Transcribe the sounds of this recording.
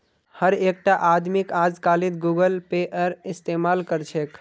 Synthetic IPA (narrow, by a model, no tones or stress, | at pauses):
həɾek̚ʈaʔad̪mikad͡ʒkalid̪̚ɡuɡəlpeʔəɾist̪emalkəɾt͡ʃʰek